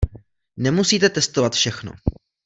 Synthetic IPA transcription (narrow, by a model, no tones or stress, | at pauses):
nɛmusiːt̪ɛt̪ɛst̪ovat̪fʃɛxno̞̰